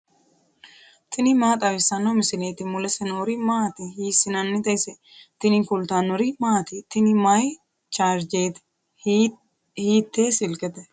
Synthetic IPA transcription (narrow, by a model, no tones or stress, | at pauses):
t̪ʰɪnɪmaːt̪ʼɐwɪsːɐnːomɪsɪneːt̪ɪmʊlɐsɛnoːɾimaːt̪ɪhiːsɪnɐnːɪt̪ɐjsɛ | t̪ɪnɪkʊlt̪aːnːɔɾimaːt̪ɪt̪ɪnɪmaj | t͡ʃaːɾd͡ʒeːt̪ɪ̥ | hiːt̪ːeːsɪlkʼɛt̪ɛ